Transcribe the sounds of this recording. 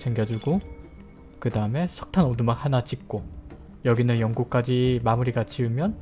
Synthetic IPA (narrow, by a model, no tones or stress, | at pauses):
sʰeŋɡjʌd͡ʑuɡo | kɯdaɯme̞sʰʌk̚tʰanodumak̚hanat͡ɕik̚k͈o | jʌɡinɯnjʌŋɡuk̚k͈ad͡ʑimamuɾiɡat͡ɕiɯmjʌn